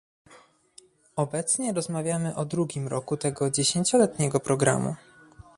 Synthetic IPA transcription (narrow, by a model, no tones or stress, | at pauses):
ɔbɛt̪sɲɛɾɔzmavʲjamɘʔɔd̪ɾuɡʲimɾɔkut̪ɛɡɔd͡ʑeɕeɲt͡ɕɔlɛt̪ɲɛɡɔpɾɔɡɾa̰mṵ